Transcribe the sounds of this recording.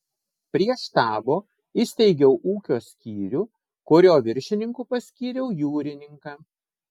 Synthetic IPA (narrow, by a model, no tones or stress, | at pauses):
pʲɾʲiɛʃt̪ɑːboː | ɪsʲt̪ʲɛɪɡʲɛʊʔuːkʲoːsʲkʲiːɾʲuː | kʊɾʲoːʋʲɪɾʲʃʲɪnʲɪŋkuːpɐsʲkʲiːɾʲɛʊjuːɾʲɪnʲɪŋkɑː